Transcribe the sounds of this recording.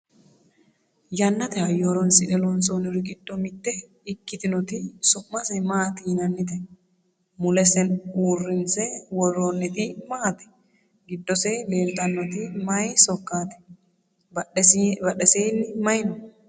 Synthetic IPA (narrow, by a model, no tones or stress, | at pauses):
jɐnːɐt̪ɛɐjoɾɔnsɪᶑɛlɔnsoːnɪɾɪɡɪd̪̥ːɔmɪt̪ːɛ | ɪkːɪt̪ɪnɔt̪ɪsʊmːɐsɛmaːt̪ɪnɐnːɪt̪ɛ | mʊlɛsɛnuːrːɪnsɛwɔrːoːnːɪt̪ɪmaːt̪ɛ̥ | ɡɪd̪ːɔsɛle̞ːlt̪ɐnːɔt̪ɪmɐjsɔkːaːt̪ɛ̥ | bbɐɗɛseːnːɪmɐjnʊ